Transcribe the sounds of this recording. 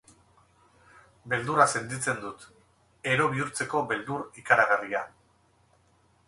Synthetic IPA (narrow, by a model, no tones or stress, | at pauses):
be̞ld̪uɾase̞nt̪it͡se̞nd̪ut̪ | e̞ɾo̞βiuɾt͡se̞ko̞be̞ld̪uɾikaɾaɣaria